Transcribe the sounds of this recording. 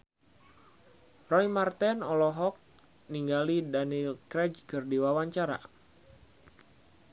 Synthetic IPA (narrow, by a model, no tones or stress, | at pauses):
rɔjmart̪ɛnɔlɔɦɔk̚ | niŋɡalidanilkɾɛd͡ʒkɨrdiwawaɲt͡ʃaɾa̰